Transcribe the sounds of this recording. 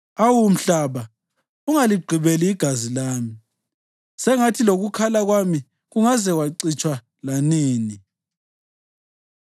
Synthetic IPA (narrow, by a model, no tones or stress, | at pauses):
awum̩ɬaβa | uŋaliɡ͡ǀʱiβeliːɡ̥ʱazilaːmi | sɛŋatʰiloɣukʰalaɣwami | ɣuŋazɛwaǀit͡ʃʼwa | laniːni